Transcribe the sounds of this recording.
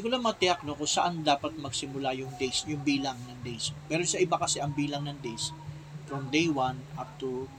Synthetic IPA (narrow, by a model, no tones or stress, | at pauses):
ɪkʊlamɐɐt̪ɪak̚nokʊsɐʔand̪aːpɐt̪̚mɐɡsɪmʊlajʊŋd̪ejsjʊŋbiːlɐŋnɐŋd̪ejspɛːɾosɐʔɪbakɐsɛʔɐŋbiːlɐŋnɐŋd̪ejs | fɾomd̪ejwanʔap̚t̪u